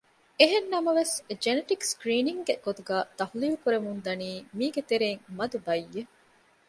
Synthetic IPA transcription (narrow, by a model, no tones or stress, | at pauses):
eɦenːɐmɐʋesd͡ʒeneʈikskɾiːniŋɡeɡ̥ot̪uɡæːt̪ɐhuliːlukuɾemund̪ɐniːmiːɡet̪eɾeːŋmɐd̪ubɐjːe